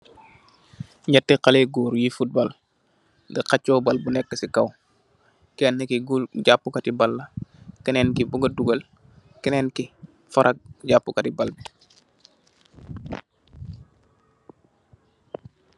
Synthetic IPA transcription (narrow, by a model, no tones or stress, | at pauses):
ɲatːɛkaleɡuːɾjifut̚bal | ɡɐkat͡ʃːɔbalbunɛk̚təsikaw | kɛnːekiɡulɟapːukatibalːɐkɛneːnkibuɡɐduɡɐl | kɛnɛːnki | faɾʔak̚ɟaːpːukatibalbi